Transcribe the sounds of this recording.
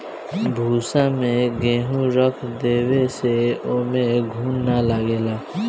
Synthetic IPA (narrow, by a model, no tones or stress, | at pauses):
bʱuːsãmẽɡẽːɦũɾəkʰd̪eːweseoːmẽɡʱuːnnalaːɡeːlaː